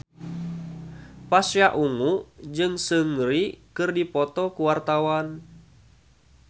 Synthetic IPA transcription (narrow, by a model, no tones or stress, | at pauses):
pasjaʔuŋuʔd͡ʒɨŋsɨŋɾikɨrdipɔt̪ɔkuwart̪awan